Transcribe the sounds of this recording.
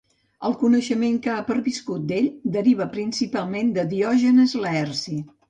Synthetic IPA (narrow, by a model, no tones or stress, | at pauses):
ə̰lˠkunəʃəmeŋkapəɾβiskut̪̚d̪eʎd̪əɾiβ̞əpɾinsipalˠmend̪əðiɔʒənəzlɛrsi